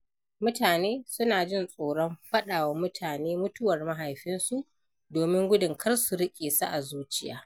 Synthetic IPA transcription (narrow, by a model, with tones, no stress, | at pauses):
mʊ˦taː˨neː˦sʊ˦naː˨d͡ʒɪ˦nsʼoː˨ɽɔ˦mɸɐ˦ɗaː˨wa˨mʊ˦tʰaː˨neː˦mʊ˦tʊ˦wɐ˨rma˦ɦa˨jɸɪ˦nsu˦˨ʔ | doː˨mɪ˦ŋɡʷʊ˦dʊ˨ŋkʰɐ˦rsu˨ɽɪ˦kʲʼeː˨sa̰˦ʔa˨zuː˦t͡ʃɪ˦ja̰ː˦